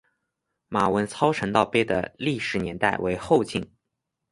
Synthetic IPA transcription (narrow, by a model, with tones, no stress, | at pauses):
ma˨˩wə˧˥nt͡sʰɑ˥ʊʈ͡ʂʰɤ˧˥ŋt̪ɑ˥˧ʊpjɛ˥d̪ə̰˧˩li˥˩ʂɻ̩˨˩˦njɛ˧˥nt̪a˥˩ɪwe˧˥ɪxo˥˧ʊt͡ɕi˥˩ŋ